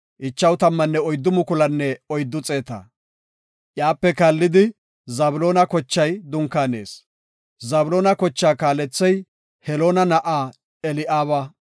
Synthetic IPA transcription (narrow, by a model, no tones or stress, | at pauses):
ʔɪt͡ʃːɐwt̪ɐmːɐnːɛɔjd̪ːʊmʊkʊlɐnːɛɔjd̪ːʊt͡sʼe̞ːt̪ɐ̰ | ʔjaːpːɛkɐlːɪd̪ɪ | zɐbʊloːnɐkɔt͡ʃːɐjd̪ʊŋkːaːne̞̰ːs | zɐbʊloːnɐkɔt͡ʃːaːkaːlɛt͡sːɛj | hɛloːnɐnɐʔaː | ɛlɪʔaːβɐ